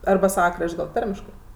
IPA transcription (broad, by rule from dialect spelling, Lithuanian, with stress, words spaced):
ɐrbɐ ˈsɑːʋɐ ˈkrɐʃʲtʲ ɡɐlˠ ˈtɐrʲmʲɪʃkɜ